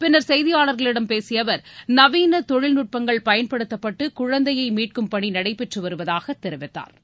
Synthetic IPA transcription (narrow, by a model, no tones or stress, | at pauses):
pɪnːɐɾsɛjðɪjaːɭɐɾɣɐɭɪɽɐmpeːsɪjɐʋɐɾnɐʋiːnɐt̪ɔɻɪlnʊʈ̚pɐŋɡɐɭpɐjɐnpɐɽɯt̪ːɐpːɐʈːɯkʊɻɐnd̪ɐjɐɪmiːʈ̚kɯmpɐɳinɐɽɐɪpɛʈrɯʋɐɾɯʋɐðaːɣɐt̪ːɛɾɪʋɪt̪ːa̰ːɾ